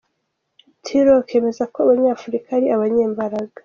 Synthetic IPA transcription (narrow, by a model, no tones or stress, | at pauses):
tʰiɾoke̞ːme̞zakoaβaɲaːfuɾikaaɾiaβaɲeːmbaɾaɡa